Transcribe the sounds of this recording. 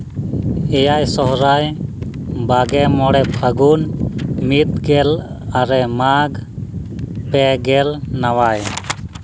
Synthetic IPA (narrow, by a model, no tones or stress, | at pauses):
ɛjajsɔɦɾaj | baɡɛmɔɽɛpʰəɡunmit̪̚ɡɛl | aɾɛmaɡ | pɛɡɛlnawaj